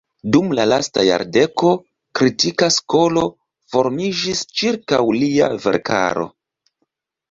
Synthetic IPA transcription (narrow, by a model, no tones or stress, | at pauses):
dumlalastaja̰ɾde̞ko̞ | kɾitikasko̞lo̞ | fo̞ɾmid͡ʒist͡ʃiɾkawlia̰ve̞̰ɾkʰa̰ɾo̞̰